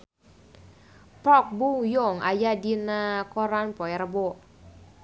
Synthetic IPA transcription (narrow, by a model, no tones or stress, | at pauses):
pɔk̚buŋjoŋa̰jadinakɔɾanpɔɛɾabo